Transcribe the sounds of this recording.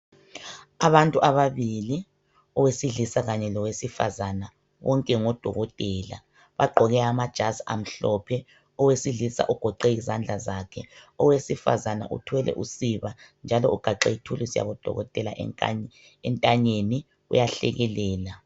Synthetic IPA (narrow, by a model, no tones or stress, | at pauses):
aβantʼuʔaβaβili | ɔwesiɮisaɣaɲɛlɔwesifa̰zana | wɔŋkʼɛŋɔd̥ʱɔɣɔtʼɛːla̰ | βaɡ͡ǃʱɔɣɛamad̥ʒ̥ʱasa̰m̩ɬɔpʰɛ | ɔwesiɮisa̰ʔuɡ̥ʱɔǃɛizand͡ɮʱazakʰɛɔwesifa̰zana̰ʔṵtʰwɛlʔɛ̰ʔusiβand͡ʒʱalɔuɡ̥ʱaǃɛitʰulisja̰βɔd̥ʱɔ̰ɣɔtʼɛla̰ʔ | ɛntʼaɲeni | ṵjaɬɛ̰ɣɛlɛːla